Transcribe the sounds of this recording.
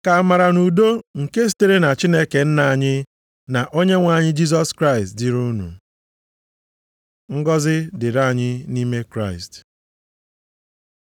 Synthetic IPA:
ka˨a˨ma˨ɾa˨nu˨do˦ŋ̩˨ke˦si̥˦te˦ɾe˦na˨t͡ʃi˦ne˦ke˨n̩˦na˨ɲɪ˦ | na˨ʔo˦ɲe˦ŋʷa˨ɲɪ˦d͡ʒi˦z̬ɔ˦skɾa˦ɪ˨stdɪ˨ɾu˦nṵ˨ | ŋ̩˦ɡɔ˦zɪ˦dɪ˨ɾa˦˨ɲɪ˦ni˦me˦kɾa˦ɪ˨st

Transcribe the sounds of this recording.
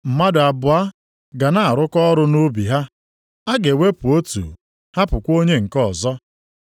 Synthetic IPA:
m̩˨ma˦dʊ˨a˨bʊ˨a˦ | ɡa˨na˦a˨ɾʊ˦kɔ˦ɾʊ˦nu˦bi˨ɦa˦ | a˦ɡe˨we˦pu˨o˦tṵ˨ | ha˦pʊ˨kʷo˦ɲe˦ŋ̩˨kɔ˦˨zɔ˦

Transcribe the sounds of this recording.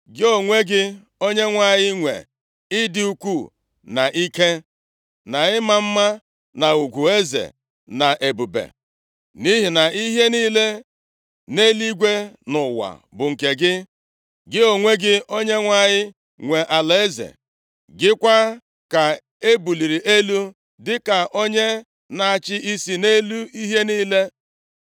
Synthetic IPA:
ɡɪ˦o˨ŋʷe˦ɡɪ˦ | o˦ɲe˦ŋʷa˦˨ɲɪ˦ŋʷḛ˨ | ɪ˦dɪ˦u˦kʷu˦˨ | na˨ʔi˦ke˦ | na˨ɪ˦ma˦m̩˦ma˦ | na˨u˨ɡʷu˨e˦zḛ˨ | na˨ʔe˨bu˨bḛ˨ | ni˦ɦi˨na˨i˦ɦe˦niː˦le˦ | ne˦li˦ɡʷe˦nʊ˨wa̰˨bʊ˨ŋ̩˨ke˨ɡɪ˦ | ɡɪ˦o˨ŋʷe˦ɡɪ˦o˦ɲe˦ŋʷa˦ɲɪ˦ | ŋʷe˨ʔa˨le˦zḛ˨ | ɡɪ˦kʷa˦ | ka˨ | e˦bu˨li˨ɾi˨ʔe˦lu˦ | dɪ˦ka˨ʔo˦ɲe˦ | na˨a˨t͡ʃɪ˦ʔi˦si˨ne˦lu˦i˦ɦe˦niː˦le˦

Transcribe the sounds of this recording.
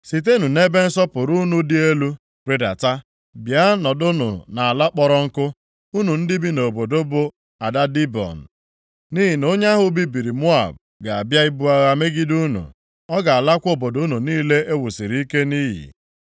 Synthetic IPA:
si˨t̬e˦nu˨ne˦be˦n̩˦sɔ˦pʊ˨ɾu˦nu˦dɪ˦e˦lu˦ | ɾe˨da̰˨ta˦ | bja˦nɔ˨dʊ˦nʊ̰˨na˨a˨la˦k͡pɔ˦ɾɔ˦ŋ̩˦kʊ˦ | u˦nu˨n̩˦dɪ˦bi˦no˨bo˨do˦bʊ˨ | a˨da˦di˦bɔ̰˨n̩˨ | ni˦ɦi˨no˦ɲa˦ɦʊ˦bi˦bi˨ɾi˨mʊ˦a̰˨b̚ | ɡa˨a˨bja˦i˦bu˦a˦ɣa˦me˦ɡi˦du˦nṵ˨ | ɔ˦ɡa˨a˨la˦kʷo˦˨bo˨dʊ˨˦nu˨niː˦le˦e˦wʊ˨si˨ɾi˦i˦ke˦niː˦ɦḭ˨

